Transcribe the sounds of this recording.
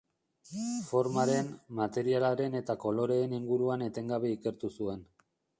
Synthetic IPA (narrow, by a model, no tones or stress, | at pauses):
fo̞ɾmaɾe̞nmat̪e̞ɾialaɾe̞ne̞t̪ako̞lo̞ɾe̞ːniŋɡuɾuane̞t̪e̞ŋɡaβe̞ike̞ɾt̪usue̞n